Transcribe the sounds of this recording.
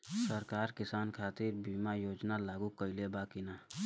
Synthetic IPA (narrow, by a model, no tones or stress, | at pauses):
səɾkaːɾkɪsaːnkʰaːt̪ɪɾbiːmajoːd͡ʒnalaːɡukəɪlebakina